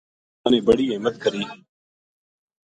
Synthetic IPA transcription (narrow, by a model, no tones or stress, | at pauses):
ənẽːbəɽiːeːmət̪̚kəɾiː